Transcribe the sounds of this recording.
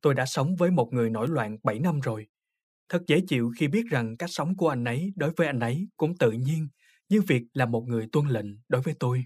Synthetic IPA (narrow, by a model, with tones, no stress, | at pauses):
t̪o˧jɗa̰ː˧˥sə˨˦wŋ͡mvəː˨˦jmo˨˩t̚ŋɨ˨˩əjno̰˧˩jlwa̰ː˧˨nɓa˧˩jna˧mzo˨˩j | t̪ʰə˨˩t̚zə˧˩˦t͡ɕḭ˧˨wxi˧ɓi˦˥ət̚za˨˩ŋkaː˦˥k̚sa˨˦wŋ͡mku˧˩əʔa˧jŋ̟ʔə˨˦jɗo˨˦jvəː˨˦jʔa˧jŋ̟ʔə˨˦jkʊ̰˧˥ŋ͡mt̪ɨ̰˧˨ɲi˧ən | ɲɨ˧vi˨˩ək̚laː˨˩mo˨˩t̚ŋɨ˨˩əjt̪wə˧nlḭ̈˧˨ŋ̟ɗo˨˦jvəː˨˦jt̪o˧j